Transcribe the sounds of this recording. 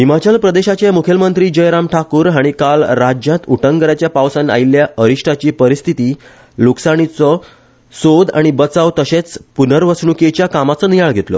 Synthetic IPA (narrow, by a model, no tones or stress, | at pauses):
ɦimat͡ɕəlpɾəd̪eɕat͡ɕamukʰjəlmənt̪ɾiːd͡ʑəjɾamʈʰakuːɾɦaɽ̃ikalɾad͡ʑjãt̪uʈʰəŋɡəɾat͡ɕjapaʋsãna̰ilːjaəɾiʂʈʰat͡ɕiːpəɾist̪ʰit̪iː | luksaɽ̃it͡sɔ | sod̪a̰ɽ̃ibət͡sawt̪əɕet͡spunəɾʋəsɳuket͡ɕjakamat͡sənijaɭɡʱet̪lɔ̰